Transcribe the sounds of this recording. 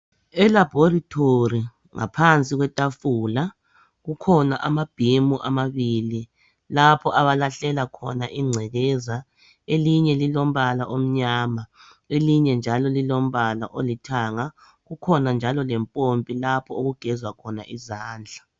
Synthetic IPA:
ɛlabʱoritʼʰori | ŋa̰pʰant͡sʼiɣwɛtʼafuːla | ɣukʰɔna̰ʔamab̥ʱimuʔamaβiːli | lapʰɔʔaβalaɬɛlakʰɔ̰naʔiŋ͡ǀʱɛɣɛza | eliɲɛlilom̩βalaʔom̩ɲaːma | eliɲɛnd͡ʒʱalɔlilom̩βala̰ʔolitʰaŋa | ɣukʰɔnand͡ʒʱalɔlɛmpʼompʼilapʰɔoɣuɡ̥ʱɛzwakʰɔna̰ʔizaːnd͡ɮʱḁ

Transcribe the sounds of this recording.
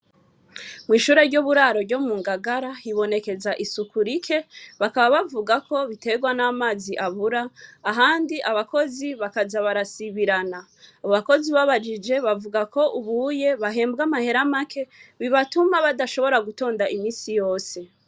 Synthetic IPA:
mŋiːʃuːɾe̞ɾɟoβuɾaːɾo̞ɾɟo̞muːŋɡaɡaɾaiβo̞ne̞ke̞zaʔisukuɾikʰe̞βakaβaβavuɡakʰo̞βite̞ɡwanaːmaːziʔaβuɾaːɦaːndiʔaβako̞ziβakazaβaɾasiβiɾanaː | βoβako̞ziβaβad͡ʒid͡ʒe̞βavuɡakʰo̞ʔuβuːje̞βaɦe̞ːmbɡamahe̞ɾamakʰe̞βiβatumaβadaʃo̞βo̞ɾaɡuto̞ːndaʔimiːsijo̞ːse̞

